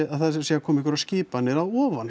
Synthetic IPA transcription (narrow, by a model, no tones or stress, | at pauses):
aðθaðsiakʰɔːmikʏɾasciːpanːɪɾawɔːvan